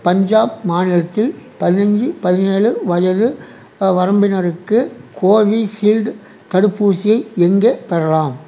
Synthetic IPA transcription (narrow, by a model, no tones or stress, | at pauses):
pɐɲd͡ʒaːbmaːnɪlɐt̪ːɪlpɐðɪnɐɲd͡ʒɯpɐðɪneːɭɯʋɐjɐðɯ | ʋɐɾɐmbɪnɐɾɯkːɯkʰoːʋisilɖ | t̪ɐɽɯpːuːsɪjɐɪɛŋɡeːpɛɾɐlaːm